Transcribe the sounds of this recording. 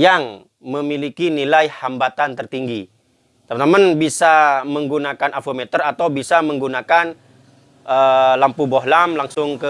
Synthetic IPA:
jaŋ | məmilikinilajhambat̪ant̪ərt̪iŋɡi | t̪əmt̪amanbisaməŋɡunakanʔafomɛt̪ərat̪awbisaməŋɡunakan | ʔəlampubɔɦlamlaŋsʊŋkə

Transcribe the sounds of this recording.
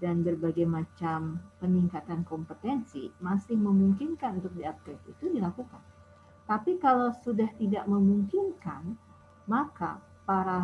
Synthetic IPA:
danbərbaɡajmat͡ʃampəniŋkat̪ankɔmpət̪ɛnsḭmasɪhməmuŋkɪnkanunt̪ʊk̚diap̚kɛt̪it̪udilakuka̰n | t̪apikalawsudaht̪idaʔməmuŋkinka̰n | maka̰ | paɾa

